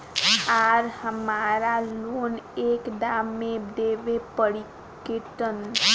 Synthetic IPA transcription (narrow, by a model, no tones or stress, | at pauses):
aɾhəmaːɾaloːneːkɖaːmːẽd̪eːʋepəɽi | kɪʈən